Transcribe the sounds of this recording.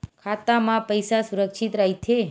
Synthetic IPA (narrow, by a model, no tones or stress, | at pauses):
kʰat̪amãpəjsasuɾəkʃit̪ɾaɦit͡ʃʰe